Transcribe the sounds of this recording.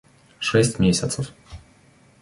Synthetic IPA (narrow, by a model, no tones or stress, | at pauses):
ʂɛsʲtʲmʲesʲət̪səf